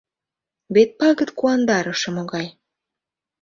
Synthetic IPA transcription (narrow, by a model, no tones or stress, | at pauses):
βet̪̚pɑɣə̆t̪kuɑnd̪ɑɾə̆ʃɤ̆moɣɑj